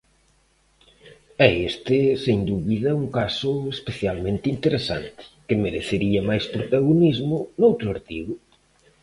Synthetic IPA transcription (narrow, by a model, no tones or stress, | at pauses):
ɛest̪ɪseŋd̪uβiðɐuŋkasʊespeθjalmẽnt̪ɪint̪eɾesa̰nt̪ɪ̥kɪmeɾeθeɾiɐmajspɾot̪aɣonizmʊnowt̪ɾʊaɾt̪iɣʊ